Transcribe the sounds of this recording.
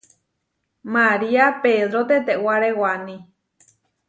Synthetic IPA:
maɾiapeðɾot̪et̪̬ewaɾewanĩ

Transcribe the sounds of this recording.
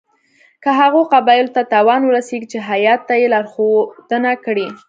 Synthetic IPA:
kəɦaɣoqabɑjɪlot̪at̪ɑwɑnwəɾaseɡit͡ʃeɦajɑt̪ːajelɑɾxod̪̥ənakɽi

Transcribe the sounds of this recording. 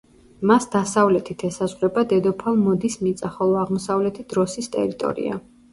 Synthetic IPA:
masd̪asavlɛt̪ʰit̪ʰɛsazʁɾɛbad̪ɛd̪ɔpʰalˠmɔd̪ismit̪sʼaχɔlˠɔaʁmɔsavlɛt̪ʰid̪̥ɾɔsist̪ʼɛ̰ɾit̪ʼɔ̰ɾḭa̰

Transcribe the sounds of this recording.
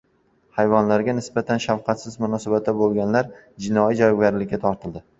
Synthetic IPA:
hajvɒnlaɾɡʲanɪsbat̪ʰanʃawqʰɑt̪sɪzmʊnɒsabat̪̚d̪abolˠɡʲanlaɾ | d͡ʒɪnɒid͡ʒɒɡʲaɾlɪkʲːat̪ʰɒɾt̪ʰɪld̪ɪ

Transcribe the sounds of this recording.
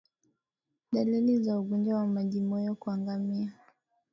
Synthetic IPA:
ɗalilizauɡɔnd͡ʒawamaʄimɔjɔkuaŋɡamia

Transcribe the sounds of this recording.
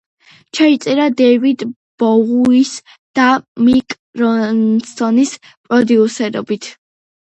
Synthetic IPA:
t͡ʃʰait̪sʼɛɾad̪ɛvid̪ | b̥ɔʁuis | d̪̥amikʼ | ɾɔnsɔnis | pʼɾɔd̪iusɛɾɔ̰bit̪ʰ

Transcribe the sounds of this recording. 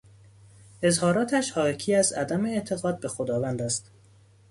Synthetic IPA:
ezhɒːɾɒːt̪ʰæʃhɒːcʰiːæzæ̰d̪æmeːt̪ʰe̞ɣɒːd̪̚bexod̪ɒːvænd̪æst̪

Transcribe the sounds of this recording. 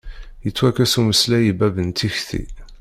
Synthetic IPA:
jət͡sːwækæsuməslæjibæbənt̪içθḭ

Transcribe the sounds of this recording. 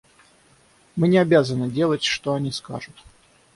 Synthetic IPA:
mɨnʲɪabʲazənɨdʲelˠətʲʂt̪oɐnʲiska̰ʐʊt̪

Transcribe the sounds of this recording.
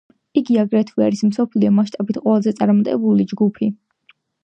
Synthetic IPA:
iɡiaɡɾɛt̪ʰvia̰ɾismsɔpʰliɔmaʃ̬t̪ʼabit̪ʰqʼwɛlazɛt̪sʼaɾmɔt̪ʼɛ̰bulid͡ʒɡupʰi

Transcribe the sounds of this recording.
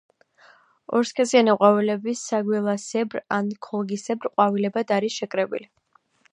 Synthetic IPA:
ɔ̰ɾskʰɛzianiqʼwavilɛbisaɡwilˠasɛbɾankʰɔlˠɡisɛbɾqʼwavilɛbad̪aɾisʃɛkʼɾɛbḭli

